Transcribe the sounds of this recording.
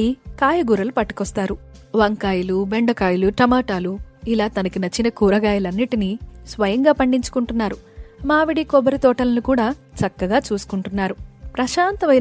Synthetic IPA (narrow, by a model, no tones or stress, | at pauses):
ikaːjɐɡuːɾɐlupɐʈːi̥kɔst̪aːɾuʋɐŋkaːjɐlube̞ɳɖɐkaːjuluʈɐmaːʈaːluilaːt̪ɐnɐkinɐt͡ʃːinɐkuːɾɐɡaːjɐlɐnːiʈinisʋɐjɐŋɡaːpɐɳɖiɲt͡ʃu̥kuɳʈunːaːɾumaːʋiɽikɔbɐɾit̪ɔːʈɐlɐnikuːɽaːt͡ʃɐkːɐɡaːt͡ʃuːsu̥kuɳʈunːaːɾupɾɐʃaːnt̪ɐʋɐj